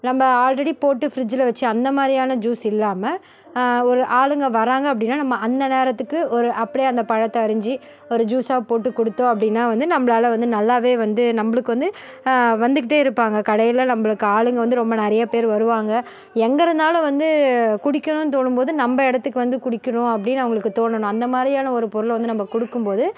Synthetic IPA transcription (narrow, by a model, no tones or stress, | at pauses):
nɐmbɐaːlɾɐɽipoːʈːɯfɪɾɪd͡ʒɪlɐʋɐt͡ʃːɯɐnd̪ɐmaːd̪ɾɪjaːnɐd͡ʒuːsɪlːaːmɐ | ɔɾɯʔaːɭɯŋɡɐʋɐɾaːŋɡɐɐpːɐɽɪnːaːnɐmːɐʔɐnd̪ɐneːɾɐt̪ːɯkːɯʔɔɾɯʔɐpːɐɽijɐnd̪ɐpɐɻɐt̪ːɐɐɾɯɲd͡ʒi | ɔɾɯd͡ʒuːsaːɣɐpoːʈːɯkːɔɽɯt̪ːõːɐpːɽɪnːaːʋɐnd̪ɯnɐmːɐɭaːlɐʋɐnd̪ɯnɐlːaːʋeːʋɐnd̪ɯnɐmːɐɭɯkːɯʋɐnd̪ɯ | ʋɐnd̪ɯk̬ːɪʈːeːɪɾɯpːaːŋɡɐkɐɽɐjɪlɐnɐmːɐɭɯkːɯaːɭɯŋɡɐʋɐnd̪ɯɾɔmbɐnɛɾɐjapeːɾʋɐɾɯʋaːŋɡɐ | ɛŋɡɐɾɐnd̪aːlʊ̃ʋɐnd̪ɯkʊɽɪkːɐɳʊ̃nt̪̬oːɳːɯmpoːðɯnɐmbɐɪɽɐt̪ːɯkːɯʋɐnd̪ɯkʊɽɪkʲːɐɳʊ̃ːɐpːɐɽɪnːɐʋɐŋɡɐɭɯkːɯt̪oːɳːɐɳʊ̃ɐnd̪ɐmaːdðɾɪjaːnɐɔɾɯpɔɾɯɭʋɐnd̪ɯnɐmːɐkɔɽɯkːɯmpoːðɯ